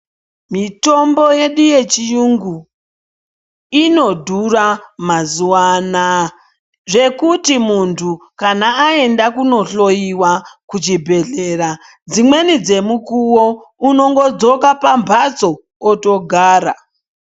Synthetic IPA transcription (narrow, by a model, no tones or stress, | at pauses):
mito̞mbo̞je̞ɗije̞t͡ʃijuŋɡu | ino̞dʱuramazuwana | ʐe̞kutimuntʰukanaːe̞ndakuno̞ɬo̞jiwakut͡ʃibʱe̞ɮe̞ra | d͡zimwe̞nid͡ze̞mukuwouno̞ŋɡo̞d͡zo̞kapambʱat͡so̞ː | to̞ɡʱaːɾa